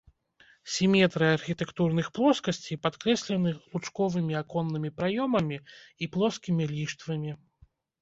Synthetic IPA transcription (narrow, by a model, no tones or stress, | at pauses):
sʲimʲɛt̪ɾɨarxʲit̪ɛkt̪urnɨxplˠɔskɐsʲt͡sʲipat̪kɾɛsʲlʲɛnɨlut͡ʂkɔvɨmʲiakɔnːɨmʲipɾajɔmɐmʲiiplˠɔskʲimʲilʲiʂt̪vɐmʲi